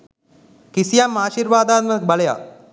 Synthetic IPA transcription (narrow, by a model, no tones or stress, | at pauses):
kisijamːaːʃiɾʋaːd̪aːt̪məbɐleja̰